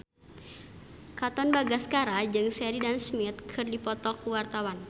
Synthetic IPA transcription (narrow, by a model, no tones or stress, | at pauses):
kat̪ɔnbaɡaskaɾad͡ʒɨŋsɛɾidansmɪt̪̚kʰɨrdipɔt̪ɔkuwart̪awan